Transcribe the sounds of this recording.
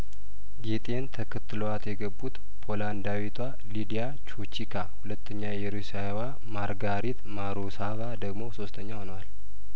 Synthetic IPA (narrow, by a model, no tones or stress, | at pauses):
ɡet̪ʼent̪ʰəkʰɨt̪ʰːɨloat̪jɛɡəbːut̪ | pʰo̞land̪awit̪ʰwa | lid̪ija | t͡ʃʰot͡ʃikʰahulət̪ʰːəɲːajɛɾusaewa | maɾɡaɾit̪maɾosavad̪əɡmo̞so̞st̪ʰəɲːahonəwal